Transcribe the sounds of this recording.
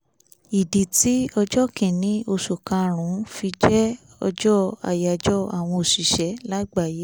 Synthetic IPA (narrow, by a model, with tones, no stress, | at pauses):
i˨di˨ti˨˦ɔ˧d͡ʒɔ˦kĩ˨nĩ˨˦o˧ʃu˨kã˧ɾ̃ũ˨˦fi˧d͡ʒɛ˦ | ɔ̰˧d͡ʒɔ˦a̰˧˨ja˨d͡ʒɔ˦a˨w̃ɔ̃˧o˨ʃi˨ʃɛ˨˦la˦ɡ͡ba˦˨je˨˦